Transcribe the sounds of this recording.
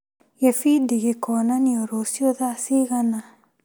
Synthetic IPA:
jefid̪iɣekɔnanioɾosijoðasiɣana

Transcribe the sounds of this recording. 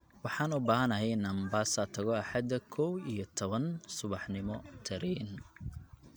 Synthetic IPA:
wɑħɑːnʊbaːɦɐnɐɦɛjɪnɐmbaːsɐt̪ʰɐɣɔɑħɑd̪ɐkʰɔwijɔt̪ʰɔβɐnsʊβɑħnɪmɔt̪ʰɐɾɛːn

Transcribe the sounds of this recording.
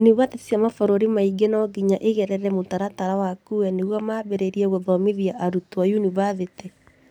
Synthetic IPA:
niβatesiamafɔɾoɾimaiɡenɔɡiɲaʔeɣɛɾɛɾɛmotaɾataɾawakuɛneɣwamaːβɛɾeɾiɛɣoðɔmeðiaʔaɾutoajuniβaðetɛ

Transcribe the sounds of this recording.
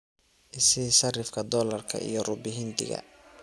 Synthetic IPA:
ʔɪsɪʃɐrɪfkʰɐd̪ɔːlɐrkʰɐ̰ʔḭjɔrʊbɪɦɪnd̪ɪ̰ɣɐ̰

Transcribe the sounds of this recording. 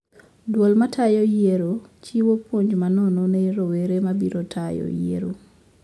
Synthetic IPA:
dwolmatʰajojeɾot͡ʃiwopwoɲd͡ʒmanɔnɔneɾoweɾemabiɾotʰajɔ̰jḛɾo̰

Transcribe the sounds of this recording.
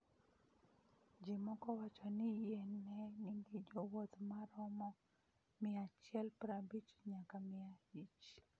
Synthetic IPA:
d͡ʒɪmɔkɔwat͡ʃɔnɪjɛnːɛnɪŋɡɪd͡ʒɔwot̪maɾɔmɔ | mɪat͡ʃjɛlpɾabit͡ʃɲakamɪahit͡ʃ

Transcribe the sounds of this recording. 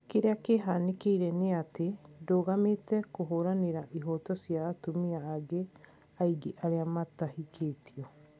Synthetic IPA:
keɾeakeɦaːnekeiɾɛneatedoːɣametɛkoɦoɾaneɾaʔiɦɔtɔsjaːtomiaːɡe | aiɡeʔaɾeamatahikʰeːtʰiɔ

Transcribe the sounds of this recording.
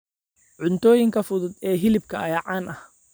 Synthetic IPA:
ʕʊnt̪ʰɔːjɪŋkʰɐfʊðʊd̪ɛːɦɪlɪb̚kʰɐɐjɐʕɑːnʔɐh

